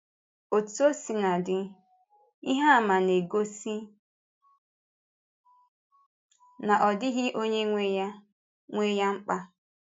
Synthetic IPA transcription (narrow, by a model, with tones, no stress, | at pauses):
o˨tu˦o˦si˨na˨dɪ˨ | i˦ɦa˦˨ma˨ne˨ɡo˦si˦ | na˨ʔɔ˨dɪ˦ɣɪ˦ʔo˦ɲe˦ŋʷe˦ja˦ | ŋʷe˦ja˦ŋ͡m̩˦k͡pa˦